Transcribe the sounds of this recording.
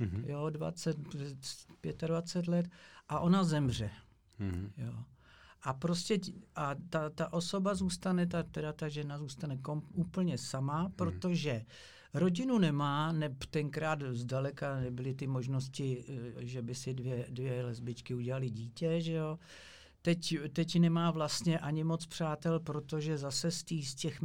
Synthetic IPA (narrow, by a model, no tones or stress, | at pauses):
jo̞dva̰t͡sɛt̪ | pjɛt̪advat͡sɛt̪̬lɛt̪ʔaʔo̞nazɛmr̝ɛ | joʔapɾo̞scɛʔat̪at̪aʔo̞so̞bazuːst̪anɛt̪at̪ɛdat̪aʒɛnazuːst̪anɛkouːpl̩ɲɛsamapɾo̞t̪o̞ʒɛ | ɾo̞ɟɪnunɛmaːnɛpt̪ɛŋkɾaːd̪zdalɛkanɛbɪlɪt̪ɪmo̞ʒno̞s̬cɪʒɛbɪsɪdvjɛdvjɛlɛzbɪt͡ʃkɪuɟɛlalɪɟiːcɛʒɛjo̞ | t̪ɛct̪ɛcnɛmaːvlast̪ɲɛʔaɲɪmo̞t͡spr̝̥aːt̪ɛlpɾo̞t̪o̞ʒɛzasɛst̪iːscɛx